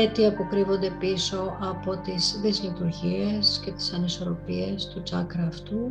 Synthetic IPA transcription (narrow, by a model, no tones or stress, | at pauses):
et̪iɐpo̞kɾivo̞nd̪e̞piso̞ʔɐpo̞t̪izðizlit̪uɾʝiesce̞t̪i̥sɐniso̞ɾo̞pie̞st̪ut͡sɐkɾɐːft̪u